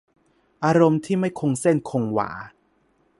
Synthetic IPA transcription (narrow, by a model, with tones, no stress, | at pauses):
ʔaː˧ɾo˧mt̪ʰiː˥˩ma˥˩jkʰo˧ŋse˥˩nkʰo˧ŋwa̰ː˩˦